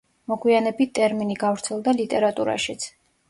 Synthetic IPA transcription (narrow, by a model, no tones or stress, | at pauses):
mɔɡwianɛbit̪̚t̪ʼɛɾminiɡavɾt̪sʰɛlˠd̪alit̪ʼɛɾat̪ʼuɾa̰ʃit̪sʰ